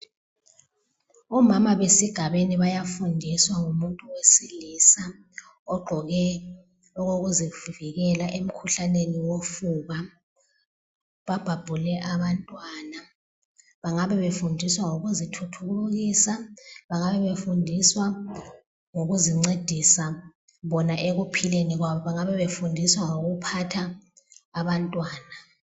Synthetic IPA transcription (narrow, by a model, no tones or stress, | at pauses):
ɔmamaβesiɡ̥ʱaβeniβajafundʱiswaŋumuntʼuwesilisa | ɔɡ͡ǃʱɔɣɛ | ɔɣoɣuziviɣɛlaʔem̩kʰuɬaneniwofuβa | βab̥ʱab̥ʱulɛʔaβantʼwaːna | βaŋaβɛβefundʱiswaŋoɣuzitʰutʰuɣuluɣiːsaβaŋaβɛβefundʱiswa | ŋoɣuziŋ͡ǀed̥ʱisa | βɔnaʔeɣupʰileniɣwaβɔβaŋaβɛβefundʱiswaŋoɣupʰatʰaː | βantʼwaːna